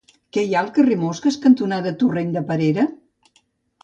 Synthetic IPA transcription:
kɛjaəlˠkəremoskeskənt̪unaðət̪ureɲʲd̪əpəɾeɾə

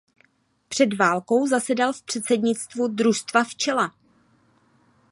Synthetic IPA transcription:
pr̝̥ɛdvaːlko̞wzasɛdalfpr̝̥ɛt̪sɛdɲɪt͡st̪vudɾust̪vaft͡ʃɛla

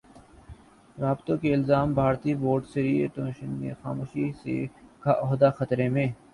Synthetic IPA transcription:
ɾaːbt̪õkeɪlzaːmbʱaːɾt̪iboːɾɖseɾiːeʈõːʃənmḛ̃xa̰ːmoːʃisḛkaʔɔːɦd̪axɐt̪ɾemẽː

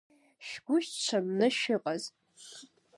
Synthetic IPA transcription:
ʃɡʷʊʃtt͡ʃʷʰɐmnɨʃɪqʼaz

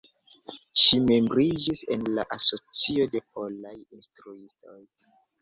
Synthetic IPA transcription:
ʃime̞mbɾid͡ʒise̞̰nlaʔaso̞t͡sio̞de̞po̞lajinstɾuisto̞j

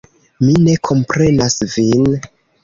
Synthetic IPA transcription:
mine̞kʰo̞mpɾe̞nasvin

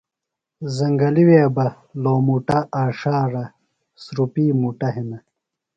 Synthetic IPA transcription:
zɐŋɡɐliweːbɐ | loːmuʈɐʔaːʂaːɾɐ | sɾupiːmuʈɐɦinɐ

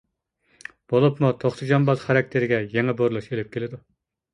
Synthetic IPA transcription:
b̥olˠupmut̪ʰoχt̪ʰɨd͡ʒɑmbɑzχæɾɛk̚ʲt̪ʰɪɾɪɡʲɛjeŋɛboɾlˠuʃelɪp̚kʲʰelɪd̪u

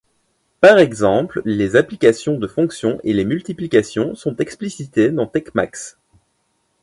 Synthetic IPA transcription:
paʁɛɡzɑ̃pllezaplikasjɔ̃d̪əfɔ̃ksjɔ̃ʔelemylt̪iplikasjɔ̃sɔ̃t̪ɛksplisit̪ed̪ɑ̃t̪ɛkma̰ks

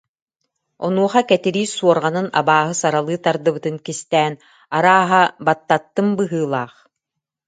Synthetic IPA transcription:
ɔ̰nuɔχakɛt̪iɾiːsuɔɾʁanɯna̰baːɦɯsaɾalˠɯːt̪aɾd̪ɯbɯt̪ɯnkist̪ɛːn | aɾaːɦabat̪ːat̪ːɯmbɯɦɯːlˠaːχ

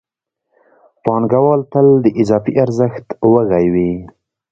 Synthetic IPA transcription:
pɑnɡawɑlt̪əld̪əʔɪzɑfiʔaɾzəxt̪wəɣajwi

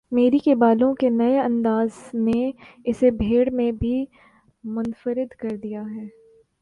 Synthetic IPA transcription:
meːɾikebaːlõkenɐeɐ̃nd̪aːzneɪsebʱeːɽmẽbʱi | mʊnfəɾɪd̪kɐɾd̪ijaɦɛː

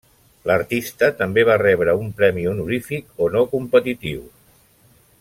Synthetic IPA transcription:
ləɾt̪ist̪ət̪əmbeβarɛβɾəumpɾɛmiunuɾifikonokumpət̪it̪iw

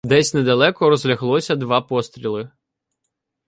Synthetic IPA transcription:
d̪ɛsʲnɛd̪ɐlˠɛkɔɾɔzlʲɐɦlˠɔsʲɐd̪ʋɑpɔst̪ɾʲilˠɪ

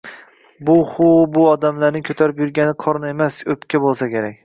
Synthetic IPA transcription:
bʊχʊbʊɒd̪amlaɾnɪŋkʰɵt̪ʰaɾɪpjʊɾɡʲanɪqʰɒɾnaemasɵpkʲʰabolˠsakʲe̞ɾakʲ

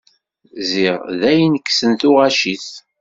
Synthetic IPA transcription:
ziʁðæjənəkːsənθʊʁaʃiθ

